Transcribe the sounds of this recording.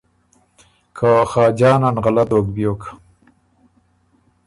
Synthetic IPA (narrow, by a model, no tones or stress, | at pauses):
kʰaxɑːd͡ʒɑːnanɣalat̪okbjoːka